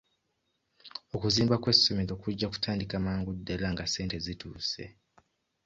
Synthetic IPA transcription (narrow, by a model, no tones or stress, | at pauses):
okuziːmbakwe̞so̞meɾo̞kuɟːaku̥tʰaːndikamaːŋɡudːelaŋɡase̞ːnte̞zituːse̞̰